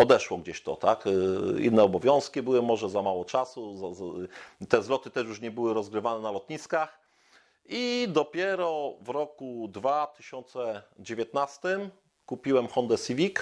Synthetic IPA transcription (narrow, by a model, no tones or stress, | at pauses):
ɔd̪ɛʂwɔɡd͡ʑeɕt̪ɔt̪akḭnːɛɔbɔvʲjɔ̃w̃skʲibɘwɘmɔʐɛzamawɔt͡ʂasuzazat̪ɛzlɔt̪ɘt̪ɛʂjuʂɲɛbɘwɘɾɔzɡɾɘvanɛnalɔt̪ɲiskax | id̪ɔpʲjɛɾɔvɾɔkud̪vat̪ɘɕɔnt̪sɛd͡ʑevʲjɛt̪nast̪ɘm | kupʲiwɛmxɔnd̪ɛsivʲik